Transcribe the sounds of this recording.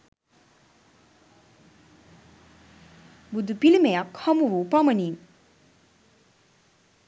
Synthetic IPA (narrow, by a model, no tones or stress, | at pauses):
bud̪upilimejakhamuʋupamənin